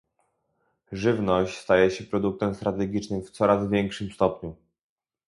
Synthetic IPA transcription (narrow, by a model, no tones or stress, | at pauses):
ʐɘvnɔɕt͡ɕst̪ajɛɕɛpɾɔd̪uk̚t̪ɛmst̪ɾat̪ɛɡʲit͡ʂnɘmft̪sɔɾazvʲjɛŋkʂɘmst̪ɔpɲu